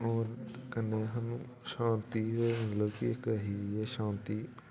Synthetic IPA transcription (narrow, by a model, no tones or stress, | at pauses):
oːɾkənːeːɦanũː | ʃãːnt̪iːeːmət̪ləbkɪkəɦiːeːʃãːnt̪iː